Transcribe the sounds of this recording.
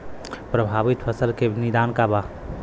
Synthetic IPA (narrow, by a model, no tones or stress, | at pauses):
pɾəbʱaːbit̪bʰəsəlkenid̪aːnkaba